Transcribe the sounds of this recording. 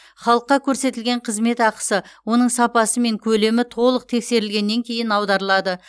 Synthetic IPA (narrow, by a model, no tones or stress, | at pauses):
χɑlˠəqːɑkʲʰɵɾse̞t̪ɪlɡʲe̞ɴqʰəzme̞t̪ɑqə̥səwo̞nəɴsɑpɑsəme̞ŋkʲʰɵle̞mɪt̪ʰo̞lˠəq̚t̪ʰe̞kse̞ɾɪlɡʲe̞nːe̞ŋkʲʰe̞jɪnɑwd̪ɑɾəlˠɑd̪ə